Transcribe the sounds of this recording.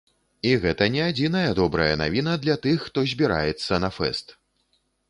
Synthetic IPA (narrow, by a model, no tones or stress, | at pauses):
iɣɛt̪ɐnʲɛad͡zʲinɐjɐd̪ɔbɾɐjɐna̰vʲinɐd̪lʲat̪ɨxːt̪ɔzʲbʲiɾa̰jɛt̪sːɐnɐfɛ̰st̪